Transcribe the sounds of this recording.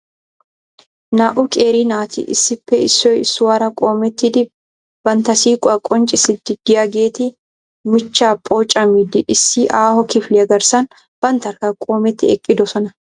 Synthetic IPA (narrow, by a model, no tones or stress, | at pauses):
naːʔʊkʼeːɾiːnaːt̪ɪ̰ʔɪ̰sːɪpːɛɪsːoːɪsːʊwɐɾɐkʼoːmɛt̪ːɪd̪ɪb | b̥ɐnt̪ɐsiːkʼɐkʼːɔnt͡ʃʼɪsɪd̪ɪd̪ɪjɐɡeːt̪ɪ | mɪt͡ʃːaːpʼoːt͡ʃʼɐmid̪ɪʔɪsːiʔaːhɔkɪflɪɐɡɐɾsɐn | b̥ɐnt̪ɐɾkɐkʼoːmɛt̪ːɪɛkʼːɪd̪ɔsɔnɐ